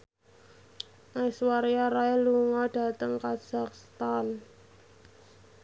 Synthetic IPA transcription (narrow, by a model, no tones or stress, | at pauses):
ʔaiswaɾiaɾaɛluŋɔɖ̥a̤t̪əŋkḁz̥akst̪an